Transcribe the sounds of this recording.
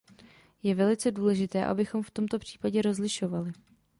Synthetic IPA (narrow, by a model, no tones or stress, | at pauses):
jɛvɛlɪt͡sɛduːlɛʒɪt̪ɛːʔa̰bɪxo̞mft̪o̞mt̪o̞pr̝̥i̥ːpaɟɛɾo̞zlɪʃo̞valɪ